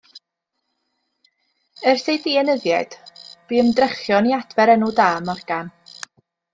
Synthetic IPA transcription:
ərsejdiɛnəðjad̥b̥iːəmdrəχjɔniad̥vɛɾɛnʊdaːmɔrɡ̥an

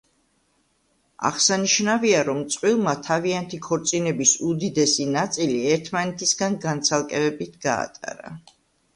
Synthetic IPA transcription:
a̰ʁsaniʃnaviaɾɔmt̪sʼqʼwilˠmat̪ʰaviant̪ʰikʰɔɾt̪sʼinɛbisud̪id̪ɛsinat̪sʼiliɛɾt̪ʰmanɛt̪ʰisɡanɡant̪sʰalˠkʼɛbɛbit̪ʰɡ̥a̰ːt̪ʼa̰ɾa̰

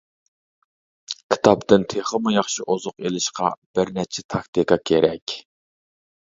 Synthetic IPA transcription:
kʲʰi̥t̪ʰɑpt̪ɨnt̪ʰeχəmujɑχʃiʔozʊqelɪʃqɑ̰b̥ɪɾnɛt͡ʃʰɛt̪ʰɑkt̪ʰɨkɑkʲʰeɾɛkʲ

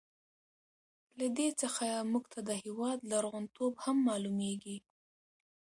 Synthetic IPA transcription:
lad̪et͡səxamuɡt̪ʰad̪əhewɑd̪laɾɣʊnt̪ʰobhamːɑlumeɡi

